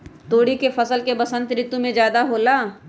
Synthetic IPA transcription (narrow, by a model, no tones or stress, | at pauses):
t̪oːɽikefɐsəlkebɐsə̃nt̪ɾɪt̪ːumẽd͡ʒjaːd̪aɦoːlaː